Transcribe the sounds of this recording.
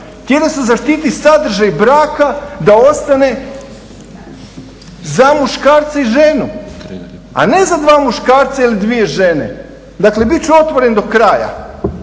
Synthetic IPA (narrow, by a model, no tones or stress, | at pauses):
t̪jed̪asezaʃt̪iːt̪isad̪r̩ʒajbɾaːkad̪ao̞st̪ane̞ | zamuʃkaːɾt̪saiʒenu | a̰ne̞zad̪ʋaːmuʃkaːɾt̪sailid̪ʋie̞ʒene̞̰ | d̪akle̞bit̪̚t͡ɕuo̞t̪ʋoɾe̞nd̪o̞kɾaːja̰